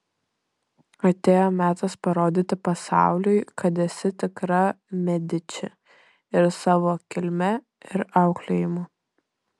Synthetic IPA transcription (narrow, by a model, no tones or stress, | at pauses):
ɐt̪ʲeːjoːmʲæːt̪ɐspɐɾoːd̪ʲɪt̪ʲɪpɐsɑ̰ˑʊlʲʊɪkɐt̪ɛsʲɪt̪ʲɪkɾɐ | mʲɛd̪ʲɪt͡ʃʲɪ | ɪɾsɑːʋoːkʲɪlʲmʲɛ | ɪɾɑʊklʲeːjɪmʊ